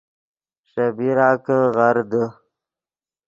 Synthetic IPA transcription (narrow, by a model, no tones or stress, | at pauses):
ɕabiɾɑːkəɣaɾd̪ə